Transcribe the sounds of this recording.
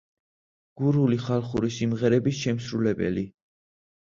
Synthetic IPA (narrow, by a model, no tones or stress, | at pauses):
ɡ̥uɾuliχalˠχuɾisimʁɛɾɛbisʃɛmsɾulɛbɛ̰li